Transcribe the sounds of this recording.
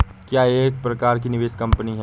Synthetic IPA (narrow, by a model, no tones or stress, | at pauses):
kjaːeːk̚pɾɐkaːɾk̬inɪʋeːʃkɐ̃mpəniɦɛ